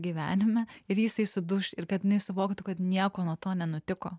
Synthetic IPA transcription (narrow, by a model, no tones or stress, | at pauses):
ɡʲiʋʲæ̰ːnʲɪmʲɛɪɾjɪsɐɪsʊd̪ʊʃʲɪɾkɐt̪jɪnɐɪsʊʋoːkt̪ʊkɐt̪nʲiɛkoːnuɔt̪oːnʲɛnʊt̪ʲɪkoː